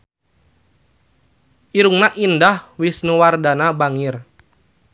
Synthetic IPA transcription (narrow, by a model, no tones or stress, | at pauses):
ʔiɾuŋnaʔindahwisnuwardanabaŋir